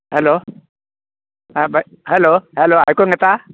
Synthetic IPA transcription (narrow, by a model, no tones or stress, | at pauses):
halo | aɓaj | haːlohalohajkwŋaːjt̪aː